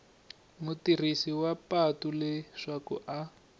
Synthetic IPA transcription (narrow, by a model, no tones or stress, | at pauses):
mutir̤isiwapatulɛʂakṵʔa